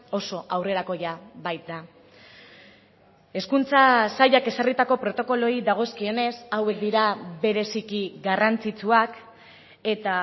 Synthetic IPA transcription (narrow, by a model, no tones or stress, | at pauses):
o̞so̞ʔawre̞ɾako̞ʝabajt̪̚d̪a | e̞skunt͡sasaʎake̞sarit̪ako̞pɾo̞t̪o̞ko̞lo̞iðaɣ̞o̞skio̞ne̞sawe̞k̚d̪iɾaβe̞ɾe̞sikiɡarant͡sit͡suak | e̞t̪a